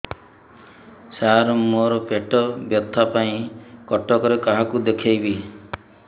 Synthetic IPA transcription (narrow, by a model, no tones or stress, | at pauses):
saɾɔmoɾɔpeʈɔbjɔt̪ʰːapaĩkɔʈɔkɔɾekaɦakud̪ekʰajbi